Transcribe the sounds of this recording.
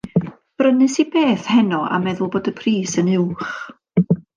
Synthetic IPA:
b̥rənɨsibeːθhɛnɔʔa̰mɛðʊlˠboːdəpʰriːsənɪwχ

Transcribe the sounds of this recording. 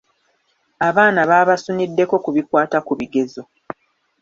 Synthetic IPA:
aβaːnaβaːβasunidːe̞ko̞kuβikwaːtakuβiɡe̞zo̞

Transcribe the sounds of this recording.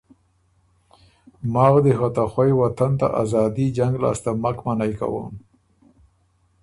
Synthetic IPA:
mɑːɣd̪əxat̪axwajwat̪ant̪a̰ʔa̰zɑd̪id͡ʒaŋɡlɑ̰ːst̪amakmanajka̰wə̰m

